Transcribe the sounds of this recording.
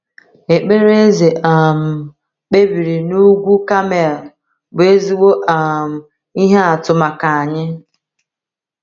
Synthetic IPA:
e˨k͡pe˦ɾe˦ze˨ʔa˨m̩˨ | k͡pe˦bi˨ɾi˨nu˦ɡʷu˦ka˦me˨l | bʊ˨e˦zi˦wo˦ʔa˨m̩˨ | i˦ɦe˦a˨tʊ˨ma˨ka˨a˨ɲɪ˦

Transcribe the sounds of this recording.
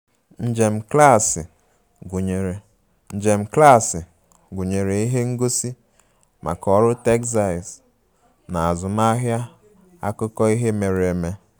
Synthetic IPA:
n̩˨d͡ʒe˨m̩˨kla˦˨sɪ˨ | ɡu˨ɲe˨ɾe˨ | n̩˨d͡ʒe˨m̩˨kla˦˨sɪ˨ | ɡu˨ɲe˨ɾe˨i˦ɦe˦ŋ̩˦ɡo˦si˦ | mʔa̰˨kɔ˦ɾʊ˦te˦ksa˨s | na˨a˨zʊ˨ma˦ɦja˦ | a̰˦kʊ˦kɔ˦i˦ɦe˦me˨ɾe˨me˦

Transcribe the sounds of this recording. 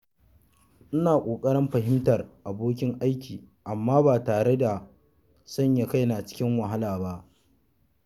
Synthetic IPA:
ʔɪ˦naː˨kʷʼoː˨kʼɐ˦ɽɪ˦mɸɐ˨ɦɪ˦mtɐ˨rʔa˨boː˦k̬ʲɪ˦ŋʔa˦jkʲʰiː˨ | ʔa˨mːaː˦baː˨taː˨ɽe˦da˨ | sɐ˦˨ɲja˨ka˦jna˨t͡ʃɪ̥˦kʲɪ˦ŋwɐ˨ɦa˦laː˨ba˦ʔ

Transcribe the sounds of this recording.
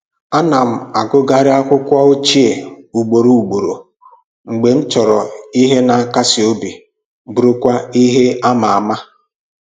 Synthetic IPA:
a˦na˨m̩˨a˨ɡʊ˦ɡa˦ɾɪ˦a˦kʷʊ˦kʷa˦o˦t͡ʃi˦e˨u˨ɡ͡bo˨ɾo˨u˨ɡ͡bo˨ɾo˨ | ŋ͡m̩˨ɡ͡be˨n̩˦t͡ʃɔ˨ɾɔ˨i˦ɦe˦na˨ka˦sɪ˨o˦bi˨ | bu˨ɾo˦kʷa˦i˦ɦe˦a˦ma˨a˨ma˦

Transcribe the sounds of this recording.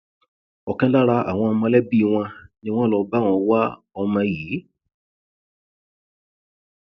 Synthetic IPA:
ɔ˨kã˦la˦ɾa˧a̰˨w̃ɔ̃˧mã˧lɛ˦bi˦˧w̃ɔ̃˧nĩ˧w̃ɔ̃˦lɔ˧ba˦˨w̃ɔ̃˧wa˦ | ɔ˧mã˧ji˨˦

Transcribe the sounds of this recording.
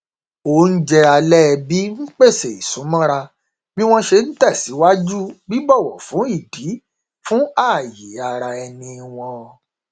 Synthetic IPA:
o˦n̩˦d͡ʒɛ˧a˧lɛ˦˧bi˦n̩˦k͡pe˦˨se˨i˨sũ˨˦mɔ̃˦ɾa˧ | bi˦w̃ɔ̃˦ʃe˧n̩˦tɛ˦˨si˨˦wa˦d͡ʒu˦bi˦bɔ˦˨wɔ˨fũ˨˦i˦˨di˨˦ | fũ˦a˦˨ji˨˦a˧ɾa˧ɛ˧nĩ˧w̃ɔ̃˧

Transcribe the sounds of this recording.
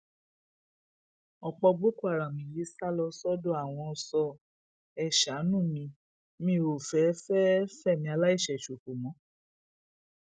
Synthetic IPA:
ɔ˨k͡pɔ˧ɡ͡bo˦ku˦a˨ɾa˨mĩ˨˦ji˨˦sa˦lɔ˧sɔ˦dõ˦a˦˨w̃ɔ̃˧sɔ˧ | ɛ˦˨ʃa˨˦nũ˦˨mĩ˧ | mĩ˦˨o˨fɛ˨˦fɛ˦fɛ˦˨mĩ˧a˧la˦i˦˨ʃɛ˨ʃo˨ko˨mɔ̃˨˦

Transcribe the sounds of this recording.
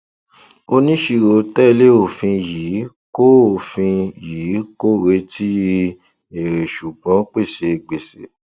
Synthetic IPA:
o˧nĩ˦ʃi˧ɾo˨˦tɛ˦˨˧le˦o˨fĩ˧jiː˨˦ | ko˦˨fĩ˧jiː˨˦ko˦˨ɾe˧˦tʰi˦ | e˨ɾe˨ʃu˨ɡ͡bɔ̃˨˦k͡pe˦˨ʃe˧˨ɡ͡be˨se˨˦

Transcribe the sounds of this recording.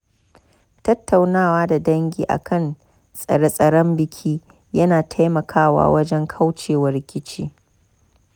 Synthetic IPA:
tɐ˦tʰːa˨wnaː˦waː˦da˨dɐ˦ŋɡʲḭː˨ʔa̰˨kʰɐ˦˨n | sʼɐ̰˨ɽɐ˦sʼɐ˨ɽɔ˦mbɪ˨kʲʰiː˦ | jɐ˦naː˨tʰa˦jmɐ˨kʰaː˦wa̰ː˦wɐ˦d͡ʒɛ˦ŋkʰa˦wt͡ʃeː˨wɐ˦ɾɪ˦kʲɪ˦t͡ʃiː˦

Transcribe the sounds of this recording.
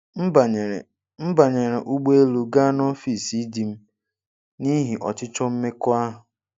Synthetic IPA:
m̩˦ba˨e˨ | m̩˦ba˨ɲe˨ɾe˨ʔu˦ɡ͡be˦lu˨ɡa˦no˦fi˨si˦di˨m̩˦ | ni˦ɦi˨ʔɔ̰˨t͡ʃɪ˦t͡ʃɔ˦m̩˦me˦kʊ˦a˦ɦʊ˨

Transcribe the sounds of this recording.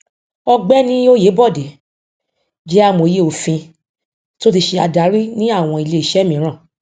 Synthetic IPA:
ɔ˧ɡ͡bɛ˦nĩ˦o˦je˨˦bɔ˦˨de˨˦ | d͡ʒɛ˦a˦˨mõ˨je˧o˨fĩ˧ | to˦t̬i˧ʃe˧a̰˧da˨˦ɾi˦nĩ˦a˦˨w̃ɔ̃˧i˧˨le˧i˨ʃɛ˨˦mĩ˨˦ɾ̃ã˦˨

